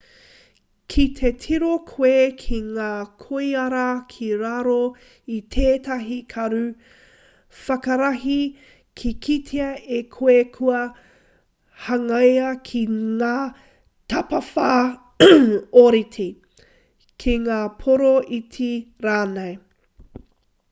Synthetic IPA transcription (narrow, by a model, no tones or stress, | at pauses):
kʰitʰetʰiɾokʰwekʰiŋaːkʰojɐɾɐkʰiɾɐɾo | itʰeːtɐɦikʰɐɾʉ | fɐkɐɾɐɦi | kʰikʰitʰeɐekʰoekʰuɐ | hɐŋɐjɐkʰiŋaː | tɐpɐfa | oɾitʰi | kʰiŋaːpʰoɾoʔitʰi | ɾaːnej